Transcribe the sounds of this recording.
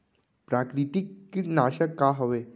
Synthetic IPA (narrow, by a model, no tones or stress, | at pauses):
pɾakɾit̪ikːinaɕəkːaɦəʋe